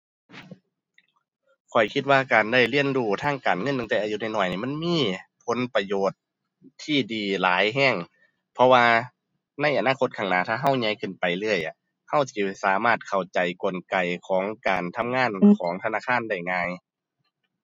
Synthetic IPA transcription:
kʰɔ˨˩jkʰi˧t̪̚waː˧kaː˨˩nda˧˩jli˧˩ənduː˧˩t̪ʰaː˧˥˩ŋkaː˨˩nŋɤ˧˥˨n˧ŋt̪ɛː˧ʔaː˧˨ju˧˨na˧˩jnɔː˧˩jniː˧˩ma˧˥˨nmiː˧˥˨pʰo˨˦npa˧joː˨˩t̪̚ʰː | iː˧˩diː˨laː˨˦jɦɛː˧˥˩ŋ | pʰɔ˧waː˧ | na˧˥jʔa˨˩naː˧˨kʰo˧˥t̪̚kʰaː˧˩ŋnaː˧˩t̪ʰaː˧ɦa˧˥˩wɲa˧˥˦jkʰɯ˧˩˨npa˨˩jlɤː˧˩əjʔa˧˩ | ha˧˥˩wsiː˧˩saː˨˦maː˧˩t̪̚kʰa˧˩wt͡ɕa˨jko˨˩nka˨˩jkʰɔː˨˦ŋkaː˨nt̪ʰa˧˥˨mŋaː˧˥˨nkʰɔː˨˦ŋt̪ʰa˧naː˧˥˨kʰaː˧˥˨nda˧˩jŋaː˧j

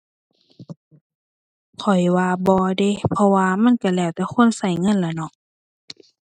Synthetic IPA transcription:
kʰɔ˨˩jwaː˧bɔː˧de˧˨pʰɔ˧waː˧ma˧˥˨nka˧˩lɛː˧˩˨wt̪ɛː˧˩kʰo˧˥˨nsa˧˩jŋɤ˧˥˨nlaː˧˩nɔ˧˨ʔ

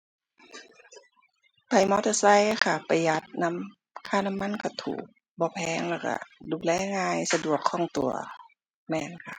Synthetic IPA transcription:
pa˨˩jmɔː˧˥˦t̪ʰa˧˩sa˧˥˨jkʰa˧˩pa˧ja˧˦t̪̚na˧˥˨m | kʰaː˧˨na˧˥mːa˧˥˨nkʰa˧˩t̪ʰṵː˨˩k̚ | bɔː˧˦pʰɛː˧ŋlɛː˧˩wka̰˧duː˧˩lɛː˧˩˨ŋaː˧jsa˧du˨˩əkʰːɔː˧˩˨ŋt̪u˨˩ɐ | mɛː˧˩nkʰa̰˧˩

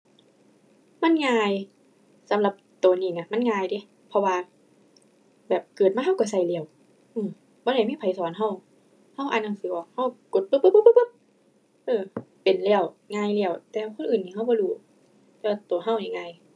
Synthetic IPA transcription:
ma˧˥˨nŋaː˧j | sa˨˦mla˧˦p̚t̪o˨˩niː˧˩ŋa˧˩ma˧˥˨nŋaː˧jde˧˩˦ | pʰɔ˧waː˧ | bɛː˨˩p̚kɤː˨˩t̪̚maː˧˥˨ɦa˥˨wkɔː˧˩sa˧˩jlɛː˧˩ə˨w | ʔɯː˧˩m | bɔː˧ɾa˧˩jmiː˧˥˨pʰa˨˩jsɔː˨˦nɦa˧˥˩w | ha˧˥˩wʔaː˨nːa˧˩ŋsɯː˨˦ʔɔ˨˩k̚ha˧˥˩wko˨˧˦t̪̚pɯ˧˩pːpːpːɯ˧˥pɯ˧˥p̚ | ʔɤː˧˩ | pe˨˩nlɛ˧˩ə˨wŋaː˧˥˨jli˧˩ə˨wt̪ɛː˧kʰo˧˥˨nʔɯː˨˩nːiː˧˩ɦa˧˥˩wbɔː˧˦duː˧˩ | t̪ɛː˧˦waː˧˩t̪u˨˩ɐɦa˧˥˩wja˨˩ŋːa˧˩j

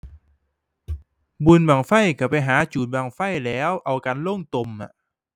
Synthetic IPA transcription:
bu˧nbaː˨˩ŋfa˥˩jka˧˩pa˧jɦaː˨˩˦t͡ɕuː˨˩n̚baː˧˩ŋfa˥˩jlɛː˦˥wʔa˧wkaː˧nlo˥˩˨ŋt̪o˧mːa̰˨˩

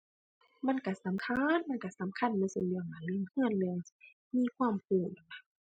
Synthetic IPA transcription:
ma˧˥˨nka˧˩sa˨˦mkʰa˧˥˨nma˧˥˨nka˧˩sa˨˦mkʰa˧˥˨nma˧˨su˧˦lɯ˧˩ə˨ŋma˨˧˩lɯ˧˨ŋhɯ˧˥˩ən̚lɯ˧˩əŋsi̥˧ | miː˧˨kʰwaː˧˥˩mpʰuː˧˩t̚a˧˩a˧˩

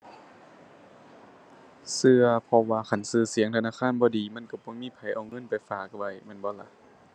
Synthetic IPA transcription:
sɯ˧ɐpʰɔ˧waː˧kʰa˧˩nsɯː˧˩si˨˦ŋt̪ʰa˧naː˧˥˨kʰaː˧˥˨nbɔː˧˨diː˨ma˧˥˨nka˧˩kɔ˧˦miː˧˥˨pʰa˨˩jʔa˨˩wŋɤ˧˥˨npa˨jfaː˨˩k̚wa˧˩jma˧˥˨nbɔː˧˦la˧ʔ

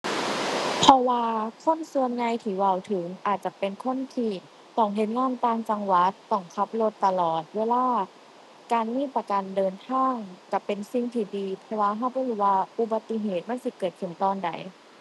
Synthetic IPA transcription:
pʰɔ˧waː˧kʰo˧˥˨nsu˧ənɲa˧jt̪ʰiː˧˩wa˧˩˨wt̪ʰɯ˨˩˦ŋʔaː˨˩t̪̚t͡ɕa˧˩pe˨nkʰo˧˥˨nt̪ʰiː˧˩ | t̪ɔ˧˩ŋɦe˧˦n̚ŋaː˧˥˨nt̪aː˧ŋt͡ɕa˧ŋwa˧˦˥t̪ːɔ˧˩ŋkʰa˧˦˥p̚lo˧t̪ːa˧lɔː˨˩t̪̚weː˧laː˧˥˩ | kaː˨nmiː˧˥˨pa˧ka˨ndɤː˨˧nt̪ʰaː˧˥˩ŋka˧˩pe˨nsi˧ŋt̪ʰiː˧˩diː˧pʰɛ˧waː˧ɦa˧˩wbɔː˧˥˩huː˧˩waː˧ʔu˧˦ba˧t̪ːi˧˦ɦeː˨˩t̪̚ma˧˥˨nsi˧˦kɤː˨˩t̪̚kʰɯ˨˩˦ŋt̪ɔː˧˩nda̰˨˩˦j

